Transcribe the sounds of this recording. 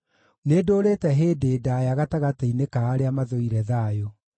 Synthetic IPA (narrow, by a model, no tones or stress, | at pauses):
nedoːɾetɛɦeːdeːdajaɣataɣateinekaːɾeamaðoiɾɛðaːjo